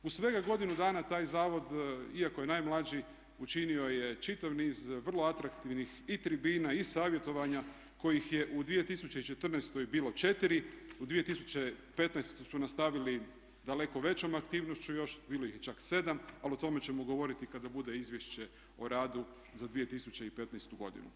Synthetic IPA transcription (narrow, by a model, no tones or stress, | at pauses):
usʋe̞ɡaɡo̞d̪inud̪aːnat̪aːjzaːʋo̞d̪iako̞je̞naːjmlˠad͡ʑi | ut͡ʃinio̞je̞t͡ʃit̪aʋniːzʋər̩lo̞at̪ɾakt̪iʋnixit̪ɾibiːnaisaːʋje̞t̪o̞ʋaɲa | ko̞jixje̞ʔud̪ʋije̞t̪isut͡ɕeit͡ʃe̞t̪r̩nest̪o̞jbiːlo̞t͡ʃe̞t̪iɾiud̪ʋie̞t̪isu̥t͡ɕe̞pe̞t̪najst̪ojsunast̪aʋili | d̪ale̞ko̞ʋe̞t͡ɕo̞makt̪iːʋnoʃt͡ɕujo̞ʃbiːlˠo̞jixjet͡ʃakse̞d̪amaliot̪o̞me̞t͡ɕe̞moɡo̞ʋo̞ɾit̪ikad̪abud̪e̞izʋjeʃt͡ɕe̞ | oɾaːd̪u | zad̪ʋije̞t̪isut͡ɕe̞ipe̞t̪najst̪uɡo̞̰d̪ḭnṵ